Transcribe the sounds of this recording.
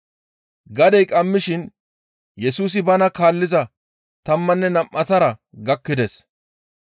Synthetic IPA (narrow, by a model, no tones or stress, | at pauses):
ɡɐd̪ɛjkʼɐmːɪʃɪn | jɛsuːs̬ɪbɐnɐkaːlːɪzɐ | t̪ɐmːɐnːɛnɐmʔɐt̪ɐɾɐ | ɡɐkːɪd̪ɛs